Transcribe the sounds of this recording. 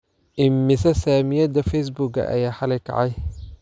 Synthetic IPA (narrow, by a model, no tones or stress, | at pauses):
ʔɪmːɪsɐsaːmɪjɐd̪ɐfɛjs̬bʊɡɐ̰ʔɐ̰jaːħɐlɛjkʰɐ̰ʕɑj